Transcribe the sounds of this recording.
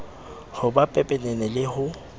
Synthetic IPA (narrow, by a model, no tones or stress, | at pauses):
hʊbapʼɛpʼɛnɛnɛlɪhʊ